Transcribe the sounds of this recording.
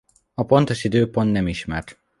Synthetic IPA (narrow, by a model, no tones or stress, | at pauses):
ɒpo̞nt̪o̞ʃid̪øːpo̞nt̪nɛmiʃmɛrt̪